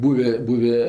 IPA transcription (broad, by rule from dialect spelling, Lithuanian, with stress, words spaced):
ˈbuːʋʲeː ˈbuːʋʲeː